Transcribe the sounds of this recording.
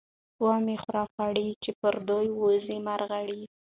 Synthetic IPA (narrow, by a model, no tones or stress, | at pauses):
wɑmexɾɑfaɽit͡ʃepəɾd̪ojwozimaɾɣaɽi